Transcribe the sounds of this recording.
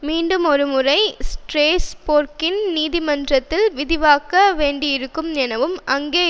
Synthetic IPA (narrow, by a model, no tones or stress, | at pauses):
miːɳɖɯmɔɾɯmɯrɐɪsʈɾeːspoːɾkɪnniːðɪmɐndrɐt̪ːɪlʋɪðɪʋaːkɐʋeːɳɖijɪɾɯkːɯmnɛnɐʋɯmɐŋɡeː